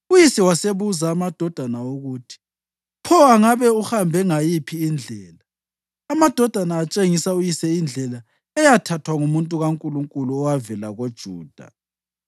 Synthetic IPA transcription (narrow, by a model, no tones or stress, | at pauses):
ujisɛwaseβuzaːmad̥ʱɔd̥ʱanaoɣuːtʰi̥ | pʰɔaŋaβɛuhambʱɛŋajipʰiːnd͡ɮʱɛːlaː | mad̥ʱɔd̥ʱanaːt͡ʃʼeŋisaujisɛind͡ɮʱɛla | ɛjatʰatʰwaŋumuntʼuɣaŋkʼuluŋkʼuluɔwavɛlaɣod̥ʒ̥ʱuːd̥ʱa̰